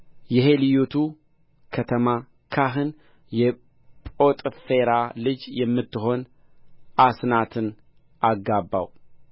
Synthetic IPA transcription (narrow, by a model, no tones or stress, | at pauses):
jɛɦe̞lɨjot̪ʰu | kʰət̪ʰəma | kʰaɦɨn | jɛ | pʼo̞t̪ʼfe̞ɾalɨd͡ʒjɛmːɨt̪ːɨɦo̞n | asnat̪ʰɨn | ʔaɡːabːa̰w